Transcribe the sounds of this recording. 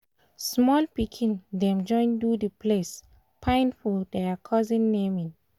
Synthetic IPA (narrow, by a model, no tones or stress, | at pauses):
smɔlpikʰĩndɛ̃md͡ʒɔ̃j̃ndudəpʰles | pʰãj̃nfɔdɛkʰɔzĩnːemĩn